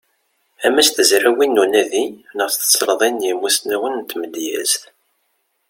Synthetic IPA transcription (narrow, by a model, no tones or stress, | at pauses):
æmæsθəzɾæwinːunæðinəʁθθə̥t͡sːɾðˤinjimusnæwənnt̪ːməd̪jæ̰z̥θ